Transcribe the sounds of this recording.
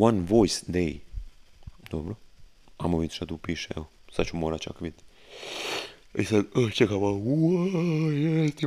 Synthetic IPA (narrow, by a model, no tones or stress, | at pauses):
wanʋojsd̪ej | d̪̥obɾo | amoʋid̪ʃt̪at̪upiːʃeɛ̰lsad̪t͡ʃumoːɾat͡ʃakʋid̪ | isad̪ət͡ʃekaʋau | jɛst̪i